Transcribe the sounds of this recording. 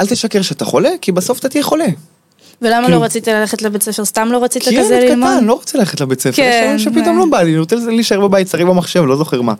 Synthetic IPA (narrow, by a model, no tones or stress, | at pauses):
ʔalt̪eʃakeʁʃeat̪aχo̞le̞kibaso̞fat̪at̪ijeχo̞le | velamaloʁat͡sit̪alaleχet̪lebet͡sefest̪amlo̞ʁat͡sik̪aikazelkatanlo̞ʁat͡selaleχet̪lebet͡sefeʃaemʃepit̪o̞mlobaliot͡selzeliːʃaebabajit̪saʁibamaχʃevlo̞zo̞χeʁma̰